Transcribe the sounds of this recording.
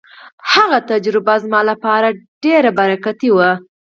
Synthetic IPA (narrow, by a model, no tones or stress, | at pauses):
haɣat̪ad͡ʒɾɪbazmɑlapɑɾaɖeɾabaɾakat̪iwa